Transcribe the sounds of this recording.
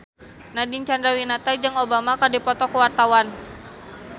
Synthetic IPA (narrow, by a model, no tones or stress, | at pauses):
nadint͡ʃandɾawinat̪ad͡ʒɨŋobamakadipɔt̪ɔkuwart̪awan